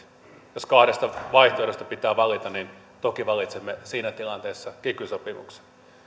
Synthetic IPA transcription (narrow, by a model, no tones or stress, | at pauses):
joskɑhɾest̪ɑʋɑiht̪oeɾest̪ɑ̥pit̪æːʋɑlit̪ɑnnin | t̪okiʋɑlit̪semːesiːnæt̪ilɑnt̪eːsːɑkykysopimṵkse̥n